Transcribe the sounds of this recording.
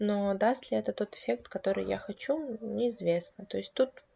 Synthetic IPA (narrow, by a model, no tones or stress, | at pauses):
no̞d̪ast̪lʲɪɛt̪ət̪o̞t̪ɪ̥fʲe̞k̚t̪kɐt̪o̞ɾɨ̰ja̰xɐt͡ɕunʲɪɪzvʲe̞snət̪o̞ɪsʲt̚ʲt̪ut̪